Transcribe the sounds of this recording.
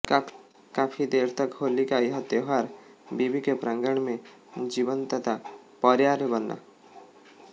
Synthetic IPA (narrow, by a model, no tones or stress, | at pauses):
ka | kapʰid̪eɾt̪əkɦolikaiɦət̪eɦaɾ | bibikepɾãŋɡəɳ̃mẽ | d͡ʒiʋənt̪ət̪ʰa | pɔɾjaɾebənːa̰